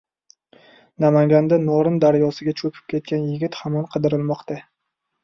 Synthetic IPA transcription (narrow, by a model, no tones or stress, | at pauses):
namaŋɡʲand̪anɒɾɪnd̪aɾjɒsɪɡʲat͡ʃʰɵpʰɪ̥p̚kʲʰe̞t̪̚kʲanjɪɡʲɪt̪hamɒnqʰɨd̪ɪɾɪlˠmɒqt̪a